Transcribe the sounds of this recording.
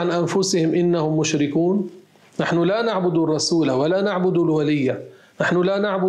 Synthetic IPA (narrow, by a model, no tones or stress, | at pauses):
anʔanfʊsɪhɪmʔɪnːahʊmːʊʃɾɪkuːnː | aħnʊlanaʕbʊd̪urˤːɑsuːlawalanaʕbʊd̪ulwalɪjːa | naħnʊlanaʕbʊ